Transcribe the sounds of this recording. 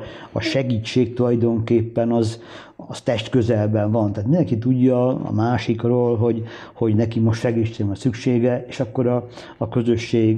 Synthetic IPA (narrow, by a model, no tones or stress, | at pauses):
ɒ̰ʃɛɡiːt͡ʃːeːk̚t̪ulɒjd̪o̞ŋkeːpːɛnɒz | ɒst̪ɛʃt̪kø̞zɛlbɛɱvɒnt̪aːt̪mind̪ɛŋkit̪uɟːɒɒ̰maːʃikroːlɦo̞ɟ | ho̞ɟnɛkimo̞ʃt̪ʃɛɡit͡ʃemɒsykʃeːɡɛeːʃɒkːo̞ɾɒː | kø̞zø̞ʃːeːɡ